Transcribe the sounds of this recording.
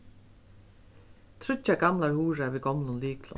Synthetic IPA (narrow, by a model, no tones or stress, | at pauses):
t̪ʰɾʏt͡ɕaɡamlaɹhuːɾaviɡɔmnʊnliːklɔ̰